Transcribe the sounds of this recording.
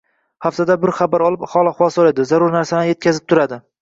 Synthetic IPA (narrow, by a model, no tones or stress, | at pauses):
haft̪ʰad̪abɪɾχabaɾɒlˠɪphɒlˠaχwɒsɒled̪ɪzaɾʊɾnaɾsaɪnje̞t̪̚kʲazɪp̚t̪ʰʊɾad̪ɪ